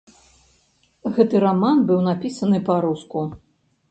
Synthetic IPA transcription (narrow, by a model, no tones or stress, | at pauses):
ɣɛt̪ɨɾamanbɨwnapʲisɐnɨpaɾusku